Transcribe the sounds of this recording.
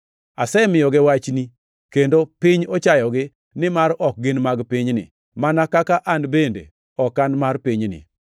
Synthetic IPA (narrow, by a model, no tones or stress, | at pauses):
asɛmɪjɔɡɪwat͡ʃni | kendopɪɲɔt͡ʃajɔɡɪ | nɪmaɾɔk̚ɡɪnmaɡpiɲnɪ̰ | manakakaʔanbendḛ | ɔkːanmarpiɲnɪ̰